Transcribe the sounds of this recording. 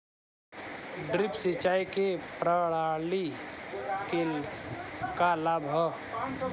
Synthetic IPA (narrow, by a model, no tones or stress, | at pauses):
ɖɾɪpsɪt͡ʃaːikepɾəɽali | kel | kalaːbʱɦɔ